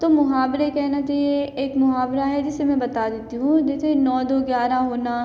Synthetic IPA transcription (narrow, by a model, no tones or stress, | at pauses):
t̪omʊɦaːbɾekɛɦnat͡ʃaeeːkmʊɦaːbɾaɦɛd͡ʒɪsemɛ̃bɐt̪ad̪eːt̪iɦũd͡ʒɛːt̪ʰenɔːd̪oɡjaːɾaɦoːna